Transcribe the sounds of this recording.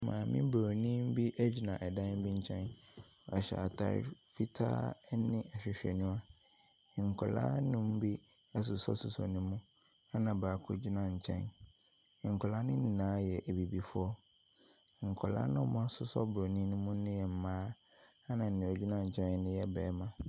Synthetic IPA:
mã̰ː˨mɪ̃˦bo˨nĩ˦m̩˦bi˦ʔɛ˦d͡ʑi˨nã˨ʔɛ˨dã˦m˦bi˦ɲ̩˦t͡ɕʰɛ̃˦n | ɔ˨ɛ˨ɕɛ̰˨a̰˨tʰa̰˨ɾɪ̰˨fi˦tʰa̰˦nɪ̃˦ʔɛ˨ɕᶣɪ˨ɕᶣɛ̰˨nũ˦a˦˨ | ŋ̩˨kʰɔ˨la̰ː˦nʊ̃˦m̩˦bi˦ | ɛ˦s̬ʊ˨sɔ̰˦sʊ˨sɔ̰˨nʊ̃˦mũ˦ | a˦nã˨baː˨kʰʊ˦d͡ʑi˦nã˦ɲ̩˨t͡ɕʰɛ̰̃˦n˨ | ŋ̩˨kʰɔ˨la˦nʊ̃˦nĩ˨nãː˨˦jɛ˨ʔɛ˨bi˨bi˨fʊ˦ɔ˦˨ | ŋ̩˨kʰɔ˨la̰˦nʊ̃˦˨mʊ̃˦a˦sʊ˨sɔ̰˦bo˨nĩ˦nʊ̃˦mũ˦nɪ̃˦jɛ˨m̩˨mãː˦ | a˦nã˨n̩˨nɪ̃˨ɔ˨d͡ʑi˦nã˦˨ɲ̩˨t͡ɕʰɛ̃˦n˦nɪ̃˦jɛ˦bɛː˨˦mã˦

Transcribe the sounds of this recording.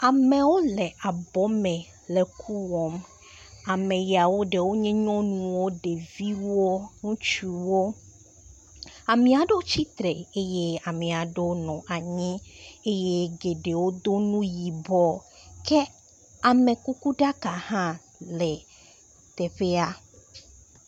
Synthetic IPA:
a˨me˨wo˦lɛ˨ʔa˨bɔ˦mɛ̃˨ | le˨kʰu˦wɔ˨m | a˨mẽ˨ja˨wo˦ɖe˨wo˦ɲẽ˦ɲɔ̃˦nũ˨wo˦ɖe˨vi˦wo˦ŋũ˦t͡ʃu˨wo˦ | a˨mĩ˨a˨ɖe˦wo˦t͡ɕi˦t̪ɾe˨e˦je˦a˨mẽ˨a˨ɖe˦wo˦nɔ̃˨ʔa˨ɲĩ˦e˦je˦ɡe˨ɖe˨wo˦d̪o˦nũ˦ji˨bɔ˨ | ke˦ | a˨mẽ˨ku˦ku˦ɖa˦ka˨hã˦ | lɛ˨ | t̪ɛ˨ɸe˦a˦

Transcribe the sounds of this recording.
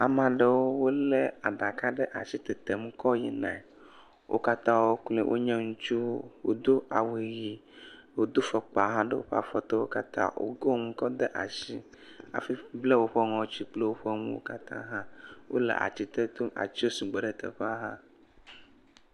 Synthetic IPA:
a˨mã˨ɖe˦wo˦wo˦le˦a˨ɖa˨ka˦ɖe˦ʔa̰˨si˦t̪ɛ˨t̪e˨mũ˦kɔ˦ji˦nã̰˨ | wʔo̰˦ka˦t̪ã˦wo˦kle˨wʔo̰˦ɲẽ˦ŋũ˦t͡ʃu˦wo̰˦d̪o˦a˨we˨ji˨ | wo˦d̪o˦fɔ˨k͡pa˨ɦã˦ɖe˦wo̰˦ɸa̰˨fɔ˨t̪ɔ˦wo̰˦ka˦t̪ʰã̰˦wo̰˦ɡo˦mũ˦kɔ˦d̪e˦ʔa̰˨ʃi˦ | a̰˨fi˦ble˦wo˦ɸɔ˦ŋɔ̃˨wt͡ɕi˦k͡ple˦wo˦ɸɔ˦mũ˦wo̰˦ka˦t̪ã̰˦ɦã˦wo̰˦lḛ˨ʔa̰˨t͡ɕi˦t̪e˦t̪o˦ʔa̰˨t͡ɕi˦wo˦su˨ɡ͡be˨ɖe˨t̪ḛ˨ɸa˦ɦã˦

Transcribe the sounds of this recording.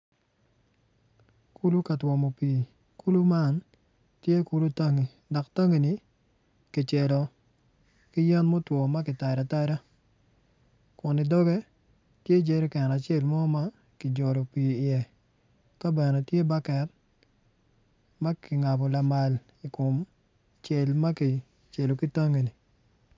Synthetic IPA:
ku˦lu˦ka˨twɔ˨mo˨pi˨ | ku˦lu˦ma˦n | tje˦ku˦lu˦ta˦ŋi˨ | dɔ˨kta˦ŋi˨ni˨ | ki˨t͡ʃe˨lɔ˨ | kɪ˦jɛ˦nmo˦twɔ˨ma˦kɪ˨ta˨ɾa˨ta˦ɾa˦ | kʊ˨nɪ˨dɔ˦ɡe˦ | tje˦d͡ʒe˦ɾi˦kɛ˨na˨t͡ʃe˦˨lmɔ˦ma˦ | kɪ˨d͡ʒɔ˨lɔ˨pi˨ɪ˨ɛ˨ | ka˦bɛ˨nɛ˨tje˦ba˦kɛ˨t̚ | ma˦kɪ˨ŋa˨bɔ˨la˨ma˨l | i˨kʊ˨m | t͡ʃe˨lma˦ki˨ | t͡ʃe˨lo˨ki˦ta˦ŋe˨ni˨

